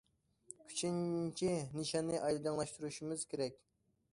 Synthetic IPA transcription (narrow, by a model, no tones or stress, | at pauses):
kʲʰy̥t͡ʃʰinnt͡ʃʰiniʃɑnːɨʔɑjlˠɨd̪ɑŋlˠɑʃt̪uɾuʃimɨz̥kʲʰeɾɛkʲ